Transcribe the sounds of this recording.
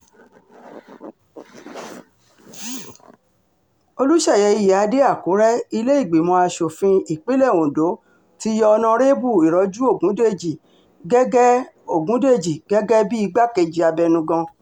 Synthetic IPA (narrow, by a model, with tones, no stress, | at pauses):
o˧lu˦ʃɛ˦˨jɛ˨˦i˧jɛ˨a˨˧˦de˦a˦˨ko˨˦ɾɛ˦i˧le˦i˦˨ɡ͡be˨mɔ̃˧a˧ʃo˨fĩ˧i˨k͡pe˦lɛ˦˨wõ˨do˨˦ | ti˦jɔ˧ɔ˧nã˧ɾe˦bu˦˨i˨ɾɔ˨˦d͡ʒu˦o˦˨ɡũ˨˦de˦˨d͡ʒi˨ | ɡɛ˦ɡɛ˦ | o˦˨ɡũ˨˦de˦˨d͡ʒi˨ɡɛ˦ɡɛ˦bi˦i˦˧ɡ͡ba˦ke˧d͡ʒi˧a˧bɛ˧nũ˧ɡɔ̃˧